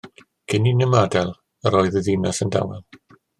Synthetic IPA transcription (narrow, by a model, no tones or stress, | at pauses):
ɡ̥ɪninɪmadɛlˠ | əɾoːɨðəðinasənda̰wɛlˠ